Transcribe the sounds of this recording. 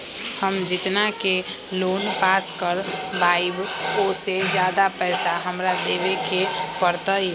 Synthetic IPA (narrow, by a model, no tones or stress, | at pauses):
həmd͡ʒɪt̪nakeloːnpaːskəɾbaːɪbkosed͡ʒjaːd̪apɛːsaɦəmɾad̪eːʋekepəɾt̪əe